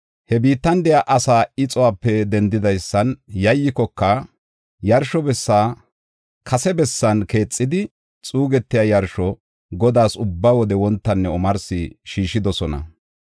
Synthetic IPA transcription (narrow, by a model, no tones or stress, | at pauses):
hɛbiːt̪ːɐnd̪ɛjaʔɐsaːɪt͡sʼɔwaːpːɛd̪ɛnd̪ɪd̪ɐjsːɐnjɐjːɪkɔkːɐ | jɐɾʃɔbɛsːaː | kʰɐsɛbɛsːɐnke̞ːt͡sʼːɪd̪ɪ | t͡sʼuːɡɛt̪ːɪjajɐɾʃɔ | ɡɔd̪aːsʊbːaːwɔd̪ɛwɔnt̪ːɐnːɛɔmɐɾsɪʃiːʃɪd̪ɔsɔnɐ̰